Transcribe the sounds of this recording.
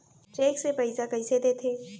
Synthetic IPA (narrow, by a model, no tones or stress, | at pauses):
ʈɾeːksepəɪzakɐɪsed̪eːt̪ʰeː